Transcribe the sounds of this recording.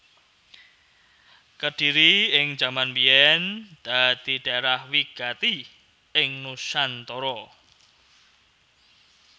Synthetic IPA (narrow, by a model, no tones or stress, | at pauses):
kəd̥i̤ɾiɪŋd͡ʒ̥amanbiɛnd̪̥a̤d̪̥i̤d̪̥aeɾahwiɡ̥at̪i | ɪŋnusant̪ɔɾɔ